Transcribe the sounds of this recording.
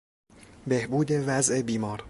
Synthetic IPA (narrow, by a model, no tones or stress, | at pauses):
be̞hbuːd̪e̞væzʔe̞biːmɒːɾ